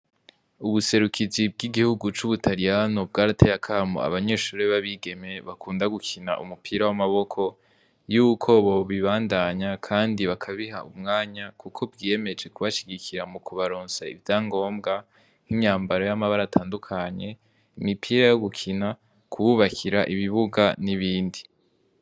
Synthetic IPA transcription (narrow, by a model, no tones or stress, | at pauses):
uβuse̞ɾukʰid͡ʒib̚ɡiɡihuɡut͡ʃuβutʰaɾijanob̚ɡaːɾatʰejakʰamo̰a̰βaɲe̞ʃuːɾeβaβiɡe̞me̞βakuːndaɡukʰina̰ʔṵmupʰiːɾawamaβo̞kʰo̞ | juːkʰo̞βo̞βiβaːndaɲakʰaːndiβakʰaβiɦa̰umŋaːɲakukʰo̞bɡijeme̞d͡ʒe̞kuβaʃiɡikiɾamukʰuβaɾoːnsaḭvjaːŋɡo̞ːmɡa | hiɲaːmbaɾo̞jamaβaɾatʰaːndukʰaɲe̞ | imipʰiːɾajo̞ɡukʰina | kʰuβuβakʰiɾaʔiβiβuɡaniβiːndi